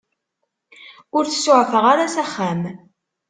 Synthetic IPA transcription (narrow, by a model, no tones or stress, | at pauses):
ʊɾθə̥sʊʕfəʁaɾasæχːæm